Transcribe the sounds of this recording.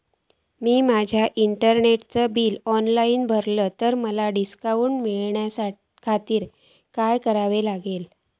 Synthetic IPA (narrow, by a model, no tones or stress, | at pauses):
miːmad͡ʑʱjaʔiɳʈəɾneʈt͡səbiːlɔnlaiːnbʱəɾləːt̪əɾməlaɖiskaʋuːnmiɭɳjasa | kʰat̪iːɾ | kajkəɾaʋelaɡel